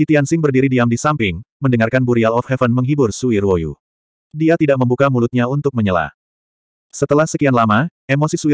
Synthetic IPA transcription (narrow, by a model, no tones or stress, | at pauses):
kit̪iansɪŋbərdiɾidiamdisampɪŋməndəŋarkanbuɾialɔfhɛfənməŋɦibʊrsuirwojṵ | diat̪idaʔ̚məmbukamulut̪̚ɲaunt̪ʊk̚məɲəla̰ | sət̪əlahsəkianlamaemosisui